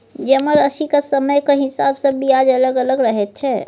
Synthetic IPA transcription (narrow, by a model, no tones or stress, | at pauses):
d͡ʒɐməɾəʃikasɐməjkaɦɪsa̰ːbsɐbʱiaːd͡ʒɐləɡələɡɾəɦet̪̚t͡ʃʰɛː